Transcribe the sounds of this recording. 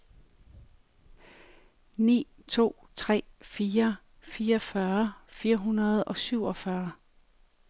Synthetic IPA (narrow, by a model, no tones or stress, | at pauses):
nḭː | t͡sʰo̝̰ːt͡sʰʁɛ̰ːfiːɐ | fiːɒfɶɐfiːɐɦunɐð̞ˠɒ̽syʊ̰ɒ̽fɶɐ